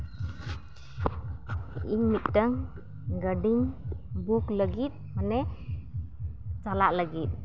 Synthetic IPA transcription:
iɲmit̪̚ʈəŋ | ɡəɖiŋbukləɡit̪̚manɛ | t͡ʃalaʔləɡit̪̚

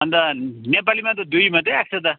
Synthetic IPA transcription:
bʌnd̪anepalimat̪ʌd̪ujmat̪ʌjak̚sʰʌt̪ʌ

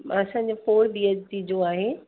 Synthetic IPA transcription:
ɐsãːɲd͡ʑopoːɽd̪iːəd͡ʑt̪ʰid͡ʑoaːɦeː

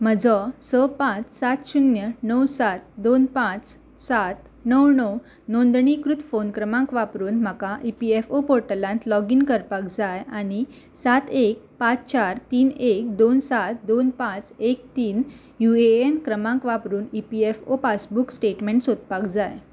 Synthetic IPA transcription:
m̤əd͡zɔsəpãt͡ssat̪ɕunjənəwsat̪̚d̪onpãt͡s | sat̪ | nəwnəw | nõnd̪ɳikɾut̪fonkɾəmãŋkʋapɾuːnm̤əkãʔipiefopoɾʈəlãnt̪lɔɡinkəɾpakd͡zajañi | sat̪ek̚pat͡st͡ɕaɾt̪iːnek̚d̪onsat̪d̪onpãt͡sek̚t̪iːn | jueenkɾəmãŋkʋapɾuːnipiefopasbuksʈeʈmeɳʈsot̪̚pakd͡zaj

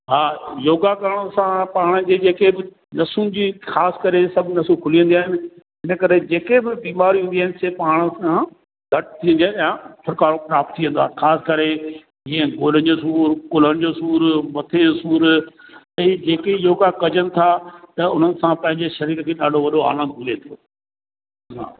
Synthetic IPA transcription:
ɦaːjoːɡakɐɾəɽ̃əsãpaːɽ̃əd͡ʑeːd͡ʑeːkebɪ | nɐsunɪ̆d͡ʑiːxaːskɐɾesɐbʱnɐsukʰʊlijə̃nd̪iaːɦɪnɪ̆ | ɦɪnə̆kɐɾed͡ʑeːkebɪbiːmaːɾiɦũːnd̪iaːɦɪnɪ̆seːpaːɽ̃əã | ɡʱɐʈ̚t̪ʰːiːə̃nd̪ejãpʰʊɾkaːɾopɾaːp̚t̪ʰːiə̃nd̪oaːɦxʰaːskɐɾe | d͡ʑĩːə̃ɡoːlənɪd͡ʑoːs̬uːɾkʊləɽ̃ɪ̆d͡ʑoːsuːɾʋɐt̪ʰesuːɾtɐid͡ʑeːkeɪɦokakɐd͡ʑənɪ̆t̪ʰat̪ɐʊn̤ənɪ̆sãpɐ̃ɦɪ̃ɲd͡ʑeʃɐɾiːɾkʰeːɗaːɖʱoʋɐɗoa̰ːlə̃nd̪̚ɡʱʊlet̪ʰoː | ɦa̰ː

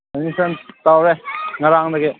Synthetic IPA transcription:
enisɐnt̪awɾeŋɐɾaŋdɐɡe

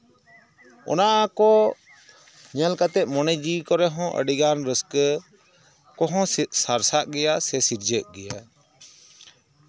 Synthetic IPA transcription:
ɔ̰naʔakɔ | ɲalkat̪ɛʔ̪̚ˀmɔnəd͡ʒikɔɾɛɦɔ̃ʔə̰ɖiɡanɾəsk | kɔɦɔ̃saɾsaʔ̚ɡɛjasɛsiɾd͡ʒəʔ̚ɡɛja

